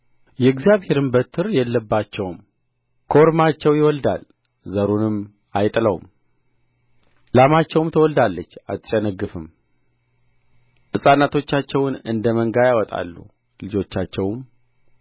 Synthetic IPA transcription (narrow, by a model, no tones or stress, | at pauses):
jɛɡzijaβhe̞ɾɨmbət̪ʰːɨɾjɛlːəbːat͡ʃːɛwm | kʰo̞ɾmat͡ʃːɛwjɪwɔld̪a̰l | zəɾunɨm | ajt̪ʼləwm | lamat͡ʃːɛwmt̪ʰəwɔld̪alːət͡ʃːa̰t̪ʼt͡ʃʼɛnəɡːɨfɨm | ʔɨsʼanːat̪ʰo̞t͡ʃːat͡ʃːɛwnɨnd̪əməŋɡajawɔt̪ʼa̰lːṵ | lɨd͡ʒo̞t͡ʃːat͡ʃːɛwm